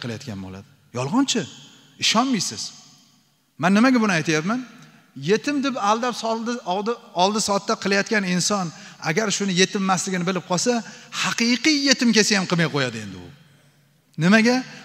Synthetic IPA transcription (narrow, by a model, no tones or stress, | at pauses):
qʰɨlˠaja̰t̪̚kʲanbo̰la̰d̪ɪ | jɒlˠʁɒnt͡ʃʰɪ | ɪʃɒnmijsɪz̥ | manːɪmaɡʲabʊnɪajt̪ʰajapman | je̞t̪ʰɪmd̪ɪpalˠd̪apsˠd̪ɪld̪ɪɒlˠd̪ɪsɒt̪ːaqʰɨlˠajat̪kʲanɪnsɒna̰ɡʲaɾʃʊnɪje̞t̪ʰɪmːaslɪɡʲɪnɪbɪlɪp̚qʰɒsahɑqɨqɨjje̞t̪ɪmkʲesɪjamqʰɨmajqʰojad̪ɪe̞nd̪ɪʊ̰ | nɪmaɡʲa